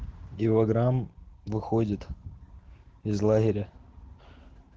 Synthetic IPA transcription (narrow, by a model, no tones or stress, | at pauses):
ɪvɐɡɾamvɨxodʲɪt̪ | ɪzlˠaɣʲɪɾʲə